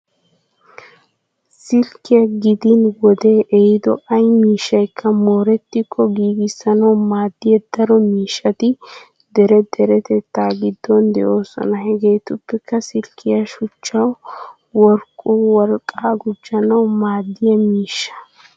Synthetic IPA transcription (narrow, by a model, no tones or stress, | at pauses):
sɪlkːɪjɐɡɪd̪ɪnwɔd̪eːʔɛhɪd̪ɔʔɐjmiːʃːɐjkʰːɐmo̞ːɾɛt̪ːɪkʰːɔɡiːɡɪsːɐnɐwmaːd̪ːɪjɛd̪ɐɾɔmiːʃːɐt̪ɪ | d̪ɛɾɛd̪ɛɾɛt̪ɛt̪ːaːɡɪd̪ːɔnd̪ɛ̰ʔo̞ːsɔ̰nɐhɛɡejt̪ʊpːɛkːɐsɪlkʰːɪjɐʃʊt͡ʃːɐw | wɔɾkʼːuwɔɾkʼaːɡʊd͡ʒːɐnɐwmaːd̪ːɪjɐmiːʃːɐ̥